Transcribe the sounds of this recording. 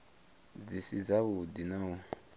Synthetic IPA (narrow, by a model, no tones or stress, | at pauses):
d͡zisid͡zaβudinau